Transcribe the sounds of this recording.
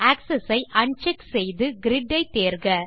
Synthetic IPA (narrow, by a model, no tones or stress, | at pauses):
aːksɐsɐɪʔɐɳt͡ʃɛksɛjðɯɡɪɾɪɖːɐɪt̪eːɾɣɐ